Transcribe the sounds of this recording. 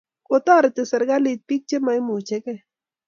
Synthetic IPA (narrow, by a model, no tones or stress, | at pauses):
kot̪aɾet̪esɐɾɡalit̪̚pik̚t͡ʃemajmut͡ʃeke